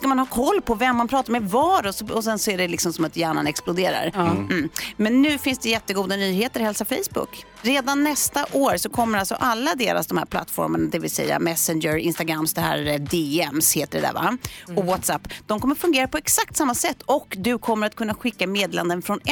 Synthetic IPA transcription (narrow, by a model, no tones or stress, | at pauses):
skamanhɑːkʰɔlːpʰɔvɛmːanpʰɾɑːt̪aɾmɛvɑːɾɔsɔɔsɛnsɔæɖɛlɪksɔmsɔmat̪jæːɳanɛksplʊd̪eːɾa̰ɾm̩ːmɛnːʉ̟ːfɪnsd̪ɛjɛt̪ːəɡuːd̪anyːheːt̪əɾhɛlsafɛjsbʊ̰kː | ɾeːd̪anːɛst̪aʔoːɾsɔkʰɔmːəɾalsɔ̰ʔalːad̪eːɾa̰sd̪ɔmhæ̰ɾpla̰t̪ːfɔ̰ɾməɳad̪ɛvɪlsɛ̰jːa̰mɛsɛnd͡ʒəɾɪ̰nst̪aɡɾamːsd̪ɛɦæ̰ːɾd̪eːɛmsheːt̪əɖɛ̰d̪æ̰ɾva̰ɔwɔt̪sapːd̪̥ɔmkʰɔmːəɾfɵŋɡeːɾapɔɛksak̚t̪samːasɛt̪ːɔkd̪ɵkʰɔmːəɾat̪̚kʰɵnːaɧɪkːameːd̪ːland̪ənfɾɔn